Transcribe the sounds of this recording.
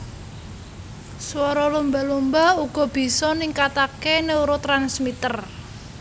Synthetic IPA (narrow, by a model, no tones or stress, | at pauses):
swɔɾɔlumbalumbauɡ̥ɔ̤b̥i̤sɔniŋkat̪akeneuɾot̪ɾansmit̪ər